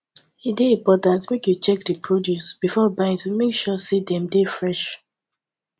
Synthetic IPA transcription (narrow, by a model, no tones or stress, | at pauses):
edeĩpɔtãntmekjut͡ʃɛk̚dəpʰɹodjusb̥ifɔbãɪ̃ntimekʃɔsidɛ̃mdefɹɛʃ